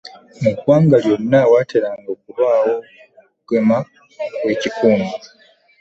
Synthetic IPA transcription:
mukwaŋɡaljoninawatʰeɾaŋɡokulwawo | ɡ̥ema | wecikʰuːnda

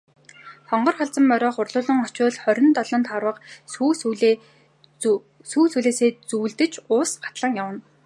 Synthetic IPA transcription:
t̪ʰɔɴɢɞ̆rχaɮt͡sə̆mːœɾʲɔːχʊrɮʊːɮɞ̆ŋɔt͡ɕʊːɮχœɾʲɪ̆nt̪ɔɮɞ̆nt̪χaɾwə̆qu | suːsuɮeːseːt͡suːɮt̪ɘ̆t͡ɕʊːsɢḁt̪ɮə̆ŋjawə̆n

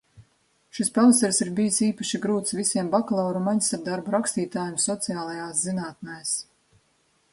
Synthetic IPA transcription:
ʃispalˠsɛɾsiɾbijisiːpaʃiɡɾuːt̪svisʲiɛmbaklˠɔːɾumaɲsaɾd̪aɾbuɾakst̪iːt̪aːjumsɔt̪sijaːlˠajaːszinaːt̪̚najs

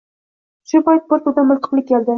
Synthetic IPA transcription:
ʃʊpajt̪̚boɾt̪ud̪amʊlˠt̪ʰə̥qlˠɪk̚ʲʰːeld̪ɪ

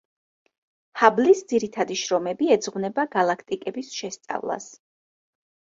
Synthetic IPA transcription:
hablisd̪ziɾit̪ʰad̪iʃɾɔmɛbiɛd̪zʁvnɛbaɡalˠakʰt̪ʼikʼɛbisʃɛst̪sʼa̰vlˠa̰s

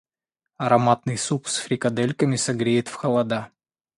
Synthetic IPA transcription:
ɐɾɐmat̪nɨjsupsfɾʲɪkɐd̪ɛlʲkəmʲɪsɐɡɾʲejɪt̪fxɐlˠɐd̪a

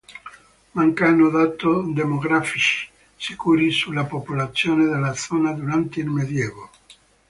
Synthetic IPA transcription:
maŋkanoðat̪od̪emoɣɾafit͡ʃi̥ | sekuɾisulapopulat̪sjoneðelasonad̪uɾant̪eilmeðjeβo

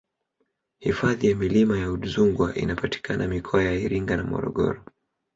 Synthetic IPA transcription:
hifaðijamilimajauɗuzuŋɡwaʔḭnapati̥kʰanʔamikʰɔajaiɾiŋɡanamɔ̰ɾɔ̰ɠɔ̰ɾɔ

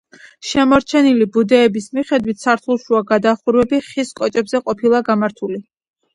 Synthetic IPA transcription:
ʃɛmɔɾt͡ʃʰɛnilibud̪ɛːbismiχɛd̪wit̪ʰsaɾt̪ʰulˠʃuaɡad̪aχuɾwɛbiχiskʼɔt͡ʃʼɛbzɛqʼɔpʰilˠaɡamaɾt̪ʰuli

